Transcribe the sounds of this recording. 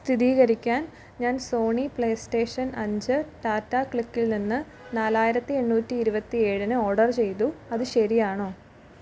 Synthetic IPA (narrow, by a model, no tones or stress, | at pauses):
st̪ʰiðiːɣɐɾikʲːaːn | ɲaːnso̞ːɳipɭeːsʈe̞ːʂɐnɐɲd͡ʑɨʈaːtːaːkɭikːilninːɨ | naːlaːjiɾɐt̪ːie̞ɳːuːtːiːɾubɐt̪ːie̞ːɻinɨoːɖɐrt͡ɕe̞jt̪̬uɐðɨɕɐɾijaːɳoː